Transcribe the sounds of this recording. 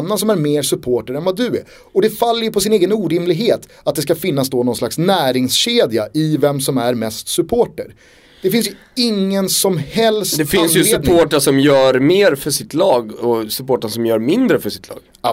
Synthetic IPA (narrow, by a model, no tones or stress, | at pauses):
nːansɔmæɾmeːɾsɵpʰoːʈəɾɛnvad̪ɵɛ̰ | ɔd̪ɛfalːəjɵpʰɔsɪneːɡənuːɾɪmlɪɡɦeːt̪ | at̪̚d̪ɛskafɪn̪ːasd̪oːnɔnslaksnæːɾɪŋsɕeːd̪jaʔɪvɛmsɔmæɾmɛst̪sɵpʰoːʈəɾ | d̪̥ɛfɪnsjɵ | ɪŋːənsɔmhɛlsd̪t̪ɛfɪnsjɵseːp̪ʰoːʈəʂɔmjœːɾmeːɾfœʂɪt̪ʰlɑːɡɔsɵpoːʈasɔmjœːɾmɪnd̪ɾəfœʂɪ̥t̪ʰlɑ̰ːɡ̥